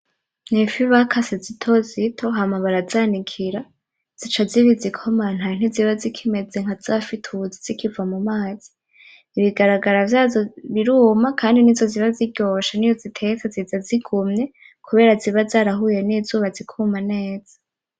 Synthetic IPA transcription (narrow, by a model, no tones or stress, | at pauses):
n̥ifiβakʰasezitʰozitʰo̞ɦamaβaɾazaːnikʰiɾa | z̥it͡ʃaziβizikʰoman̥hajin̥iziβazikʰime̞d͡ze̞ŋ̥az̥afitʰuziz̥ikʰivamumaːz̥i̥ː | βiɡaɾaɡaɾavjaːzoβiɾuːmakʰaːndinizo̞ziβaziɟo̞ʃanijozitʰe̞kazizaziɡumɲe̞ | kʰuβe̞ːɾaziβazaːɾaɦuje̞niːzuːβazikʰuːmane̞ːz̥ḁ